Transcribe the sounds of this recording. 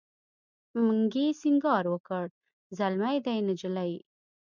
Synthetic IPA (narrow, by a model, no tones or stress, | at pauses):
məŋɡesiŋɡɑɾwəkəɽ | zalmajd̪ajnəd͡ʒəlaji